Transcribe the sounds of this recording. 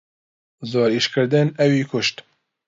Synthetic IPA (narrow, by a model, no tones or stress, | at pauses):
zoːɾiʃkɨɾd̪ɨnɛwiːkʰʊʃt̪